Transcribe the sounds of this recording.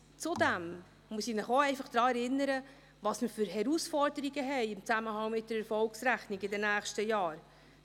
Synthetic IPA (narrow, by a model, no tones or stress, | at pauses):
t͡sʊd̪æm | muəsinɪχoɛɪfɑχd̪̥ɾɑːɛɾɪnːəɾə | vɑsməfʏɾɦɛɾusfɔɾdəɾiɡəɦɛɪɪmt͡sæməɦɑŋmɪt̚d̥əɾɛɾfɔlksɾæχniɡɪdɛnæːχʃtəjɑːɾ